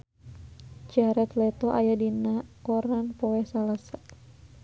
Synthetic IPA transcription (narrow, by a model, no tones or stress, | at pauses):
d͡ʒaɾɛt̪lɛt̪ɔʔa̰jadinakɔɾanpɔwɛhsalasa